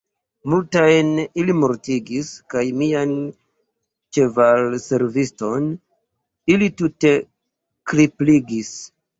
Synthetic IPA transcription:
multajnilimoɾtiɡiskajmian | t͡ʃe̞valse̞ɾvisto̞n | ilitute̞ | kɾipliɡis

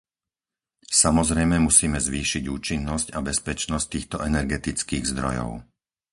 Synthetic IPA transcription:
samɔzɾɛjmɛmusiːmɛzʋiːʃiɟuːt͡ʃinːɔscabɛspɛt͡ʃnɔsc̚t̪iːxt̪ɔʔɛnɛɾɡɛt̪it͡skiːɣzd̪ɾɔ̰jɔ̰ʊ

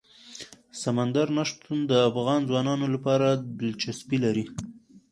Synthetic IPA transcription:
samand̪aɾnaʂt̪und̪əafɣɑnzwɑnɑnolapɑɾab̪ɪlt͡ʃaspilaɾi

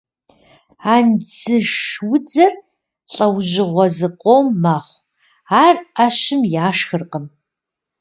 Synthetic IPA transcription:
aːnd͡zɨʃʂwʊd͡zɐr | ɬʼɐwʑɪʁʷɔzɨqʷʼomːaχʷ | aːraɕɪmjaːʃxɨrqəm

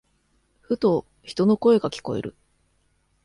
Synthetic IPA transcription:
ɸɯ̟t̪o̞ | çi̥t̪o̞no̞ko̞e̞ɡakʲi̥ko̞̰e̞̰ɾɯ̟̰

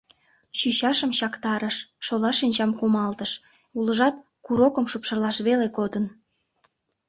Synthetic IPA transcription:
ɕyɕɑʃəmɕɑkt̪ɑɾəʃːolɑʃinʲt͡ɕɑmkumɑlt̪əʃ | uləʒɑt̪ | kuɾokəmʃupʃə̆rlɑʃβelekod̪ən

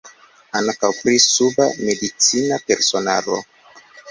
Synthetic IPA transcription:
aŋkawpɾisubame̞dit͡sinape̞ɾso̞na̰ɾo̰

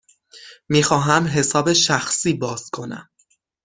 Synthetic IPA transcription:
miːxɒːɦæmɦe̞sɒːbe̞ʃæxsiːbɒːz̥kʰo̞næ̰m

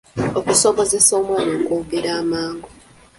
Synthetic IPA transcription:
okuso̞βo̞zeso̞ːmwaːnoːkoːɡeɾaːmaːŋɡo

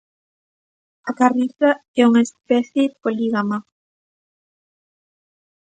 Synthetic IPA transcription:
akariθaɛuŋaespɛθjepoliɣama

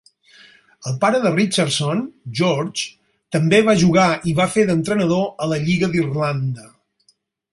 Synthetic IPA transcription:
əlˠpaɾəðərit͡ʃəɾsonʒoɾt͡ʃ | t̪əmbeβaʒuɣaʔiβafeðənt̪ɾənəðoələʎiɣəðirland̪ə

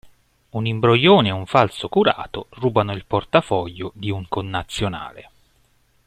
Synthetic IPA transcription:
unimbɾojːoːneɛuɱfalsokuɾa̰ːt̪oruːbanoilport̪afɔʎːod̪iuŋkonːat̪sːjona̰ːle

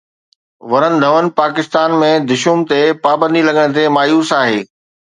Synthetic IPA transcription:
ʋɐɾənɪ̆d̪ʱɐʋən̆paːkɪst̪aːnmẽd̪ɪʃumt̪epaːbə̃nd̪ilɐɠəɽ̃̆t̪ʰemaːjuːsaːɦeː

